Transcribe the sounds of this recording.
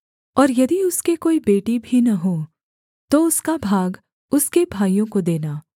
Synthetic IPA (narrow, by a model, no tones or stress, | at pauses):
ɔːɾjɐd̪iʊskekoːibeːʈibʱinɐɦoː | t̪oʊskabʱaːɡ | ʊskebʱaːijõkod̪eːnaː